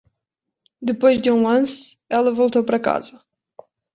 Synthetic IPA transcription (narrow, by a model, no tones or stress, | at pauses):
d̪ɨpojʒd̪ɨũɐ̃nsɛlˠɐvolˠt̪owpɐɾɐka̰zɐ